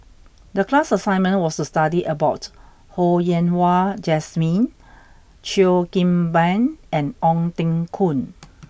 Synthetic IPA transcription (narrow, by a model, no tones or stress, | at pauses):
dəklasəsãj̃nmə̃nwɔstustadiʔəbaʊt | hojɛ̃nwad͡ʒɛsmĩn | t͡ʃiokĩmbɛ̃nɛ̃nɔ̃ŋtĩŋkʰũn